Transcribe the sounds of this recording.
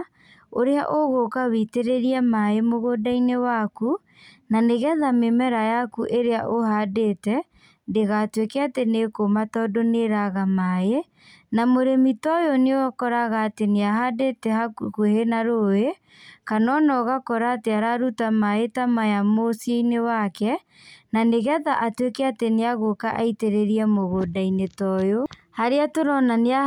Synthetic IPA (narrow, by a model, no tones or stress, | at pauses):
oɾeaʔoɣokawiteɾeɾiɛmaemoɣodainewaku | naneɣɛðamemɛɾajakuʔeɾeaʔohadetɛ | ndeɣatwekɛatenekomatɔdoneɾaɣamae | namoɾemitɔjɔneakɔɾaɣaːteneaɦadetɛhakkuhenaɾoe | kanɔnɔɣakɔɾaːteaɾaɾutamaetamajamosieinewakɛ | naneɣaðaʔatwekɛateneaɣokaʔaiteɾeɾiɛmoɣodainetɔjo | haɾeatoɾɔnanea